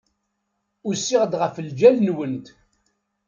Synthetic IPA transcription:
ʊsːiʁəd̪ʁəfəld͡ʒælnwənt̪

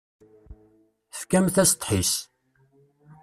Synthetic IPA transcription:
θfkæmθæst̪ˤħis

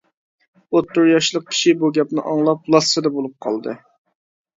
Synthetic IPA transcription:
ot̪ːʊɾjɑʃlˠəq̚kʲʰi̥ʃibuɡʲɛpnɨʔɑŋlˠɑp̚lˠɑssɨd̪ɛbolˠup̚qʰɑ̰lˠd̪ɨ̰

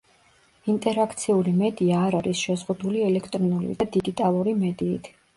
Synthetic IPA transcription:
int̪ʼɛɾakʰt̪sʰiulimɛd̪iaːɾaɾisʃɛzʁud̪uliɛlɛkʰt̪ʼɾɔnulḭd̪ad̪iɡit̪ʼalˠuɾimɛd̪ḭːt̪ʰ

